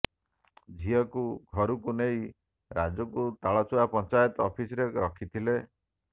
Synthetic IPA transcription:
d͡ʒʱiɔkuɡʱɔɾukunej | ɾad͡ʒɔkut̪aɭɔt͡ʃuwapɔnt͡ʃajɔt̪ɔpʰisɔɾeɾɔkʰit̪ʰile

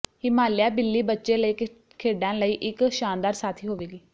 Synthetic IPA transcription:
ɪmaːljaːbɪlːiːbətːʃeːləiːk | kʰeːɖãːləiːʔɪkʃaːnd̪aːɾsaːt̪ʰiːɦoːʋeːɡiː

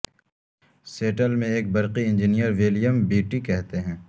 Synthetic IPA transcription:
seːʈəlmẽeːk̚bɐɾqiɪ̃ɲd͡ʒɪnijəɾʋɪlijəmbiːʈikɛɦt̪eɦɛ̃ː

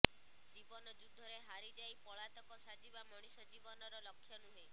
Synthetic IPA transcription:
d͡ʒibɔnɔd͡ʒud̪ʱːɔɾeɦaɾid͡ʒajpɔɭat̪ɔkɔsad͡ʒibamɔɽ̃isɔd͡ʒibɔnɔɾɔlɔkʰːjɔnuɦe

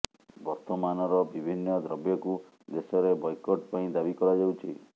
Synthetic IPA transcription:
bɔɾt̪ɔmanɔɾɔbibʱinːɔd̪ɾɔbjɔku | d̪esɔɾebɔjkɔʈpaĩd̪abikɔɾad͡ʒawt͡ʃʰi

